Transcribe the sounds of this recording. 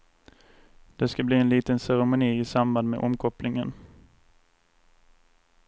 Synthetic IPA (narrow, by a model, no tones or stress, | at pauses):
d̪̥ɛskabliːɛnliːt̪ənsæɾɛmʊniːɪsamband̪mɛ̰ʔɔmkʰɔplɪŋən